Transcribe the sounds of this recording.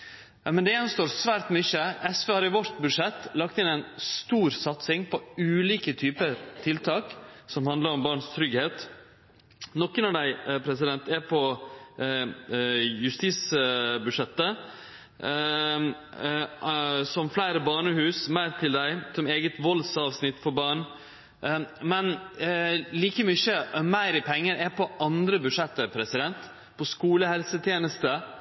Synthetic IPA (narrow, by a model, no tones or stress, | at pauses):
mɛnd̪ɛɛnst̪oːɾsʋæːɾʈ̪mʏçːəɛsʋeːhɑɾɪʋɔɾt̪bʉʂɛt̪ːlɑk̚t̪ɪnæɪnst̪uːɾsɑt̪sɪŋpʰɔʉːliːkət̪ʰyːpət̪ʰɪlt̪ʰɑːksɔmhɑnd̪ləɾɔmbɑːɳst̪ʰɾʏɡheːt̪ | nɔkːənɔɖæɪpʰɾɛsɪd̪ɛnt̪ɛɾpʰɔ | jʉst̪iːsbʉʂɛt̪ːə | sɔmflæɪɾəbɑːɳəhʉːsmæɪɾt̪ʰɪld̪æɪsɔmeːɡət̪ʋɔlsɑːʋsnɪt̪ːfɔɾbɑːɳ | mɛn | liːkəmʏçəmæɪɾɪpʰɛŋːəɾɛpʰɔʔɑnd̪ɾəbʉd̪ʂɛt̪ːəpʰɾɛsɪd̪ɛnt̪ | pʰɔskuːləhɛlsət̪ʰjeːnəst̪ə